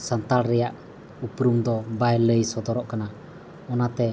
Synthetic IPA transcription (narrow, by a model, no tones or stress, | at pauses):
sant̪alɾɛjaʔ | upɾumd̪ɔbajləjsɔd̪ɔɾɔʔkana | ɔnat̪ɛ